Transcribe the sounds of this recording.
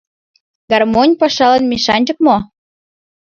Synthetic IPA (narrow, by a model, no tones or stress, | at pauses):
ɡɑrmonʲpɑʃɑlə̆nmʲiʃɑnʲd͡ʑə̆k̚mo